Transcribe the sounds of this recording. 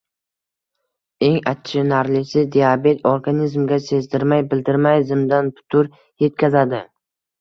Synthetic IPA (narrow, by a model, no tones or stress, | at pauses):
e̞ŋat͡ʃʰːɪnaɾlɪsɪd̪iabe̞t̪ʰoɾɡanizmɡʲase̞zd̪ɪɾmajbɪld̪ɪɾmajzɪmd̪anpʰʊ̥t̪ʰʊɾ | je̞t̪̚kʲazad̪ɪ